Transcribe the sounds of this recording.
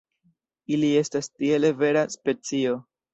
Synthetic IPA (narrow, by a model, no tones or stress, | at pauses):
ilie̞stastie̞le̞ve̞ɾaspe̞t͡sio̞